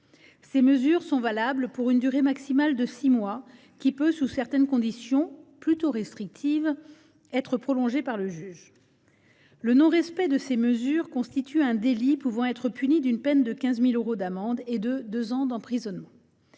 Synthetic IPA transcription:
seməzyʁsɔ̃valablpuʁynd̪yʁemaksimald̪əsimwa | kʲipøsusɛʁt̪ɛnkɔ̃d̪isjɔ̃plyt̪oʁɛst̪χik̚t̪ʰiv | ɛt̪χəpχɔlɔ̃ʒepaʁləʒyːʒ | lənɔ̃ʁɛspɛd̪əseməzyʁkɔ̃st̪it̪ʰyɛ̃d̪elipuvɑ̃ɛt̪χəpynid̪ynpɛnd̪əkʲɛ̃zmiløʁod̪amɑ̃d̪ed̪əd̪øzɑ̃d̪ɑ̃pχizɔnmɑ̃

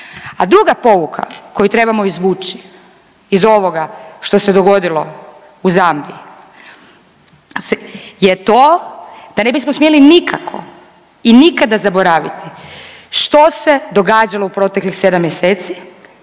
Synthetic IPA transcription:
ad̪ɾuɡapo̞ʋukʰa̰ko̞jut̪ɾe̞bamo̞izʋuːt͡ʃi | izo̞ʋo̞ɡaʃt̪o̞se̞d̪o̞ɡo̞d̪ilo̞ | uzamli | jet̪oːd̪̥ane̞bismosmjelinikʰakʰo̞̰ | inikad̪azaboɾaʋit̪ʰi̥ | ʃt̪o̞se̞d̪o̞ɡaːd͡ʒalˠo̞upɾo̞ːt̪e̞klixse̞d̪amjeseːt̪si̥

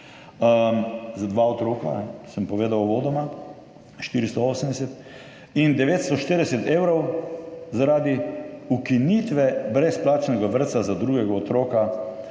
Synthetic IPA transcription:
zad̪ʋaɔt̪ɾoːkaɛsəmpɔʋeːd̪awʋoːd̪ɔma | ʃt̪iːɾist̪ɔoːsəmd̪ɛsɛt̪ | ind̪ɛʋeːt̪st̪ɔʃt̪eɾd̪ɛsɛt̪eːwɾɔwzaɾaːd̪iukinit̪ʋɛbɾɛsplaːt͡ʃnɛɡaʋəɾt̪sazad̪ɾuːɡɛɡaɔt̪ɾoːka

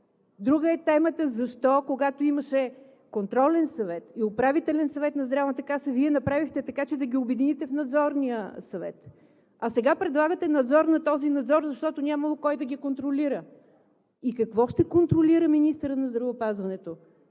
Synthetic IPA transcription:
d̪ɾuɡəɛt̪ɛmət̪əzɐʃt̪ɔkoɡat̪oiməʃɛ | kont̪ɾɔlɛnsɐvɛt̪iopɾavit̪ɛlɛnsɐvɛt̪nɐzd̪ɾavvət̪ɐkasəviɛnɐpɾavixt̪ɛt̪ɐkat͡ʃɛd̪ɐɡʲiobɛd̪init̪ɛfnɐd̪zɔɾnijəsɐvɛ̰t̪ | ɐsɛɡapɾɛd̪lˠaɡət̪ɛnɐd̪zɔɾnɐt̪ɔzinɐd̪zɔɾzɐʃt̪ɔt̪onʲamɐlˠokɔjd̪ɐɡikont̪ɾoliɾə | ikɐkvɔʃt̪ɛkont̪ɾoliɾəminist̪əɾənɐzd̪ɾɐvʊːpazvɐnɛt̪o

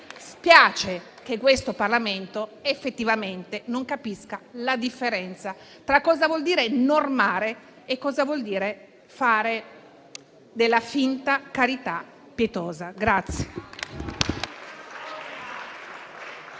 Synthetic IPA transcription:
spjaːt͡ʃe | k̟ekːwest̪oparlament̪oefːet̪ːivament̪enoŋkapiskalad̪ifːeɾɛnt̪sa | t̪ɾakːɔːzavwɔld̪iːɾenormaːɾeː | kːɔːzavwɔld̪iːɾe | faːɾe | d̪elːafint̪akaɾit̪a | pːjet̪ɔːzaɡɾat̪sːje̥

